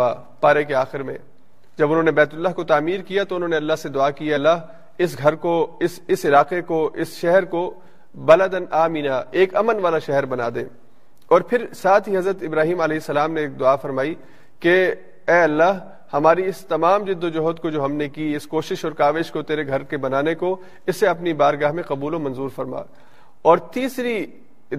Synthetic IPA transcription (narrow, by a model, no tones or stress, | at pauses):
a | paːɾek̬eaːxɪɾmḛ̃ː | d͡ʒɐbʊnɦõːnebɛːt̪ʊlːaɦkot̪aːmiːɾkijat̪oʊnɦõneɐlːaɦsed̪ʊaːkijalːaːɦ | ɪsɡʱɐɾkoɪsɪsɪlaːqekoʔɪsʃɛɦəɾko | bɐləd̪ɐnʔaːmiːnaeːkɐmənʋaːlaʃɛɦəɾbɐna̰ːd̪ḛ̃ː | ɔːɾpʰɪɾsaːt̪ʰɦiɦɐzɾət̪ɪbɾaːɦiːmɐlɛɦɪsːɐlaːmneːk̚d̪ʊaːfɐɾmaːi | ke | ɛːɐlːaːɦ | hɐmaːɾiɪst̪ɐmaːmd͡ʒɪd̪ːod͡ʒɐɦɔt̪kod͡ʒoːɦɐmnekiɪskoːʃɪʃɔːɾkaːʋeːʃkot̪eːɾeɡʱɐɾkebɐnaːneko | ɪsːeɐpnibaːɾɡaːɦmẽqɐbuːlomɐ̃nzuːɾfɐɾma̰ː | ɔːɾt̪iːsɾi